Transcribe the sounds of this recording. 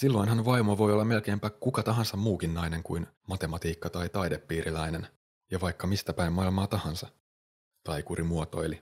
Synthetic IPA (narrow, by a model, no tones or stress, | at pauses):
silːo̞inɦɑnʋɑjmoʋo̞jolːɑme̞lk̟e̞ːmpæːkukɑt̪ɑɦɑnsɑmmuːkinnɑjne̞ŋkujnmɑt̪e̞mɑt̪iːkːɑt̪ɑjt̪ɑjdepːiːɾʔilæjne̞n | jɑʋɑjkːɑmist̪æpæimmɑilmɑːt̪ɑhɑnsɑ | t̪ɑikuɾʔimuot̪o̞̰ili